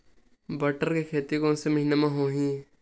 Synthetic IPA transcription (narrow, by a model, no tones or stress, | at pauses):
bɐʈəɾkekʰeːt̪ikonseməɦɪnemãɦoːɦĩː